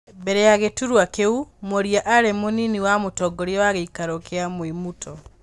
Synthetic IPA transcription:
bɛɾɛjaɣetuɾwakeumoɾiaʔaɾemoniniwamotɔɡɔɾiɔwaɣeikaɾokeamwemutʰɔ

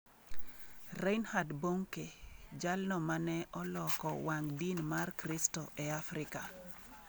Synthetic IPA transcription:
rejnhadboŋked͡ʒalnɔmanɛʔɔlɔkɔwaŋdinmarkɾistɔʔɛafɾɪka

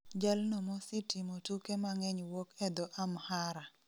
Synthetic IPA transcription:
d͡ʒalnɔmɔsitimotukemaŋɛɲwokɛd̪ɔʔamhaɾa

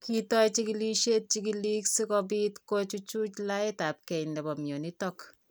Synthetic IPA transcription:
kitɔjt͡ʃikiliʃet̚t͡ʃikiliksikɔbitkot͡ʃut͡ʃut͡ʃlaɪtap̚kɛindɛbɔmjonitɔk

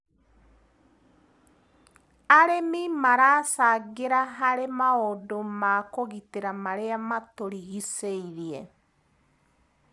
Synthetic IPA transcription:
aɾemimaɾaːsaɣeɾaɦaɾemaodomakoɣiteɾamaɾeamatoɾiɣiseiɾiɛ

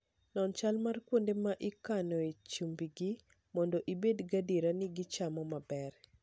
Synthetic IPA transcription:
nɔnt͡ʃalmarkwondemaʔikanɔet͡ʃumbiɡi | mɔndoʔibedɡadiɾanɪɡɪt͡ʃamɔmabɛr

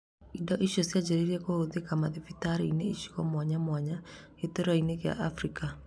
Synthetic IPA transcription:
idɔʔiʃosjad͡ʒeɾiɾɛkohoðekamaðifitaɾeineiʃi̥ɣɔmwaɲamwaɲa | eteɾaineɣja̰ʔafɾika

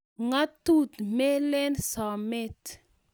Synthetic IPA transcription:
ŋat̪ud̪imelenisawamet̪i̥

